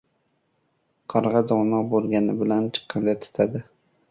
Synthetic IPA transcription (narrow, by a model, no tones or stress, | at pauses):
qʰɑɾʁɑd̪ɒwnɒqbolˠɡʲanɪbɪlant͡ʃʰɨ̥qʰːɑnd̪at̪ʰɪ̥t̪ʰad̪ɪ